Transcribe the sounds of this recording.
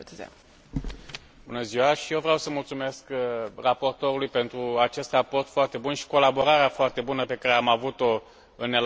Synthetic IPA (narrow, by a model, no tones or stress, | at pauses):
z̰ | bunəziwaʃijewvɾeawsəmult̪sume̞skrapo̞rt̪o̞ɾulujpe̞nt̪ɾuat͡ʃe̞st̪rapo̞rt̪foart̪e̞bunʃi̥ko̞labo̞ɾaɾeafoart̪e̞bunəpe̞kaɾeamavut̪o̞ | ɨnːel